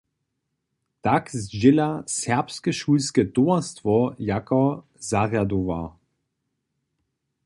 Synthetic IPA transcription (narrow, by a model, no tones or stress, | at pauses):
takzʒɪlasɛɐpskəʃuːlskətoɐstvɔjakɐ | zaʁjadova